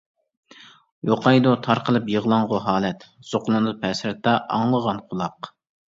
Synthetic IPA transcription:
joqʰɑjd̪ut̪ʰɑɾqʰəlˠɨpjəʁlˠɑŋʁʊɦɑːlɛt̪z̥oqlˠɨnd̪pʰɛsɾɛt̪ːɑʔɑŋlˠəʁɑnqʰʊlˠɑq

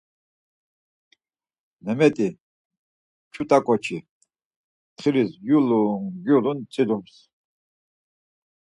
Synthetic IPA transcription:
nɛmɛt̪ʼi | t͡ʃʰut̪ʼakʼɔt͡ʃʰi | t̪χiɾisjuluŋɡulunt͡sʼid̪ums

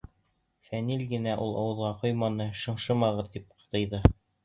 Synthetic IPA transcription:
fænilɡɘ̆næʔulˠʔɑ̰wɤ̆ðʁɑqŏjmɑnɤʃɤ̆ɴʃɤ̆mɑʁɤ̆t̪ip̚qʰɤ̥̆t̪ɤ̆jðɤ

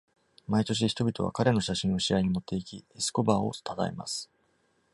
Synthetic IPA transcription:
mait̪o̞ɕ̬içi̥t̪o̞bʲit̪o̞βa̰kaɾe̞no̞ɕaɕĩɰ̃oɕiaiɲ̟imo̞t̪ːe̞ikʲiesɨ̥ko̞baːo̞̰t̪ʰat̪a̰ḛma̰sɨ̥

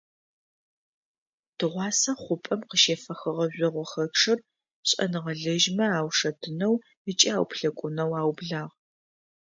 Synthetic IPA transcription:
d̥ɨʁʷɑːsɐχʷʊpʼɐmqəʃeːfɐxɐʁɐʑʷɔʁʷɔxɐʈ͡ʂʰɨr | pɕʼɐ̰nɨʁɐɮɨʒmɐaːwʂɐdʰɨnɐw | ət͡ʃʼiaːwpʰɬɐkʷʼʊnɐwaːwbɮaːʁ

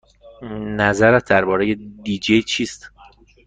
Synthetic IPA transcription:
næzæɾæt̪̚ʰd̪æɾbɒːɾejed̪iːd͡ʒejt͡ʃʰiːst̪

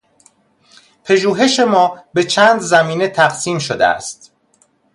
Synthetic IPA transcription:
pʰeʒuːɦe̞ʃe̞mɒːbet͡ʃʰæːnd̪zæmiːnet̪ʰæqsiːmʃod̪ḛæ̰st̪

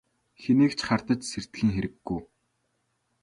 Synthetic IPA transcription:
xeneːkt͡ɕχart̪ə̆t͡ɕser̥t̪xiːŋxeɾɘ̆ɡːujː

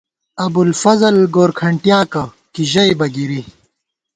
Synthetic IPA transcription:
ɐbulfɐzɐlɡoːɾkʰɐɳʈjaːkɐ | kiʑɐjbɐɡiɾi

